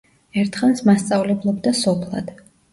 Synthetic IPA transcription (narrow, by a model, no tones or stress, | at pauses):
ɛɾt̪ʰχansmast̪sʼavlɛblˠɔbd̪asɔpʰlˠa̰d̪̥